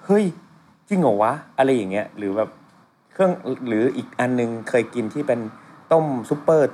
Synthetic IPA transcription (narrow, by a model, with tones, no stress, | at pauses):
hɤ˦˥˩j | t͡ɕi˧ŋʔo˨˩wa˦˥ʔa˧ɾa˧jːa˨˩ŋːi˦˥ɐɾɯː˩˦bɛː˨˩p̚ | kʰɯ˥˩əŋɾɯː˩˦ʔiː˨˩k̚ʔa˧nːɯ˧ŋkʰɤː˧jki˧nt̪ʰiː˥˩pe˧nt̪o˥˩msu˨˦˥pːɤː˥˩t̪̚